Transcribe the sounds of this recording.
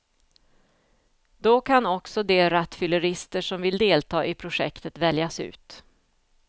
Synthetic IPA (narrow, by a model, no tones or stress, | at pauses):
d̪̥okʰanɔksɔd̪ɛɾat̪ːfʏləɾɪst̪əʂɔmvɪld̪eːlt̪ʰɑːʔɪpʰɾʊʂɛ̰kt̪ʰət̪vɛljasʉ̟̰ːt̪